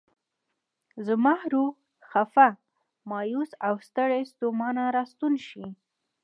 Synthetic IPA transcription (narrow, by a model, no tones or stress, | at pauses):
zəmɑhɾu | xafa | mɑjusawst̪əɽest̪omɑnaɾɑst̪unʃi